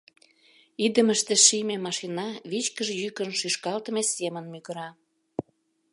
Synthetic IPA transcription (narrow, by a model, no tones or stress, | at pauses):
id̪əməʃt̪eʃimemɑʃinɑβit͡ɕkəʒejykənʃyʃkɑlt̪ə̆mesemənmyɣə̆ɾɑ